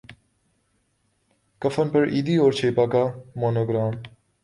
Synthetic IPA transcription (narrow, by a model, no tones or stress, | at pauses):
kɐfənpəɾʔiːd̪iːoːɾt͡ʃʰeːpaːkaːmoːnoːɡɾaːm